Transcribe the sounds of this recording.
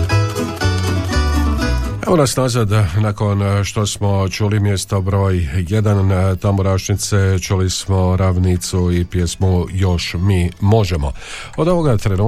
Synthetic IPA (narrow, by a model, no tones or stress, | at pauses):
e̞ʋonasnazad̪naːko̞nʃt̪o̞smo̞t͡ʃuːlimje̞st̪obɾo̞ːjje̞d̪ant̪amoɾaʃnit̪set͡ʃuːlismo̞ɾaʋnit̪suipjesmujo̞ʃmiːmo̞ʒemo̰o̞d̪oʋo̞ɡat̪ɾenuː